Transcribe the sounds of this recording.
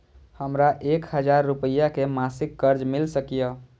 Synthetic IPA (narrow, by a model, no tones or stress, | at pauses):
həmɾaʔekhəd͡ʒaɾːupəjakemasɪkːəɾd͡ʒmilsəkijə